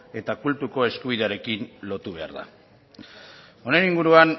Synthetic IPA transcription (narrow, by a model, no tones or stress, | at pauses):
e̞t̪akult̪uko̞e̞skuβ̞iðe̞aɾe̞kinlo̞t̪uβ̞e̞a̰ɾða̰ | o̞ne̞niŋɡuɾuan